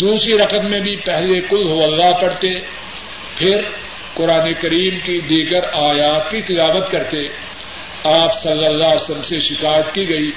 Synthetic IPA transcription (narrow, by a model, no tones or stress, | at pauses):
d̪uːsɾiɾɐqətmẽbʱipɛɦlekʊlɦoɐlːaɦpɐɽ̤t̪e | pʰɪɾ | qʊɾaːnekɐɾiːmkid̪iːɡəɾaːjaːt̪̚kit̪ɪlaːʋət̪kɐɾt̪e | aːpsɐlːəlːasɐmseʃɪkaːjət̪kiɡɐiː